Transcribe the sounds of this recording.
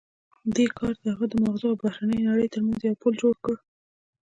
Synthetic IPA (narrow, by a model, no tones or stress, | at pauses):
d̪ekʰɑɾd̪əhaɣad̪əmaɣzʊawbahɾanəjnaɽəjt̪əɾmanzjawpuld͡ʒoɽkəɽ